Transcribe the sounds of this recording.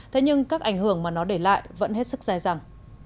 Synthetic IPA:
t̪ʰe˨˦ɲɨ˧ŋkaː˦˥k̚ʔa˧˩jŋ̟hɨ˧˩əŋmaː˨˩nɔ˨˦ɗe˧˩la̰ː˧˨jvə̰˧˥nɦe˦˥t̚sɨ˦˥k̚zaː˧jza˨˩ŋ

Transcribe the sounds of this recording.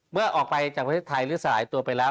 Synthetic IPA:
mɯ˥˩ɐʔɔː˨˩k̚pa˧jt͡ɕaː˨˩k̚ʰt̪ʰeː˥˩t̪ʰa˧jlɯː˦˥˩sa˧laː˩˦jt̪u˧ɐpa˧jlɛː˦˥w

